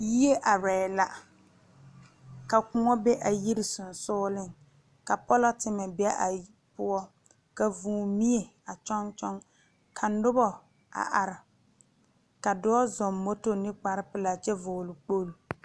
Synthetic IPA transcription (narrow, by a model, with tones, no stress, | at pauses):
ji˦e˦ʔa˨ɾɛː˨la˨ | ka˨kʊ˦ŋɔ˦be˦ʔa˨ji˦ɾɪ˨sʊ˨n˨sʊː˦lɪ˦ŋ | ka˨pɔ˦la˦tɪ˦mɛ˨bɛ˦ʔa˨ | pʊ˦ɔ˦ | ka˨vuː˨mi˦e˨ | a˨t͡ʃɔ˦ŋt͡ʃɔ˦ŋ | kʰa˨nʊ˦bɔ˨ | a̰˨ʔa˨ɾɪ˨ | ka˨dɔ˦ɔ˦zɔ˨mːo˦to˦nɪ˦k͡pa˨ɾɪ˦pɪ˨la˨t͡ʃɛ˦vʊː˨lʊ˨k͡po˦l